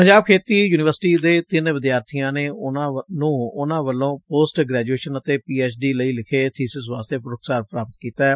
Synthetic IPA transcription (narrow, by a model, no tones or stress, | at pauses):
pəɲd͡ʒaːb̚kʰeːt̪iːjuːnɪʋəɾsɪ̥ʈiːd̪eːt̪ɪnʋɪd̪jaːɾt̪ʰijãːneːnãːnũːʊnãːʋəlõːpoːsʈɡɾɛːd͡ʒueːʃənət̪eːpiːɛːt͡ʃɖiːləiːlɪkʰeːt̪ʰiːsɪsʋaːst̪eːpɾʊkʰsaːɾpɾaːpət̪kiːt̪aːɛː